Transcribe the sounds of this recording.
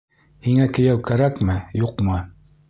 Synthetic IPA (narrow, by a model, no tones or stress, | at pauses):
hiŋækɵ̆jæwkæɾækmɘjuqmɤ